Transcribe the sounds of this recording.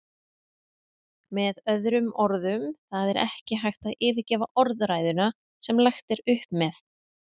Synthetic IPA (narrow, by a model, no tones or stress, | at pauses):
mɛðœðɾʏmɔɾðʏmθaðɛɾʔɛhcɪɦajxt̪aðɪːvɪcɛːvaʔɔɾðɾajðʏna | sɛmlaxt̪ɛɾʏhpmɛθ